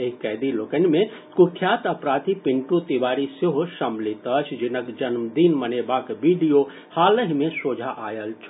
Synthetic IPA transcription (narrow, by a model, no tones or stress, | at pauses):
eɦikɛd̪iloːkənmẽ | kuʈʰjaːt̪əpɾaːt̪ipiɳʈũt̪iʋaːɾiseɦoʃəmlit̪ət͡ʃʰd͡ʒinəkd͡ʒənmd̪inmənebaːkbiɖijo | haːləɦimẽsoːd͡ʒʱaʔajəlt͡ʃʰ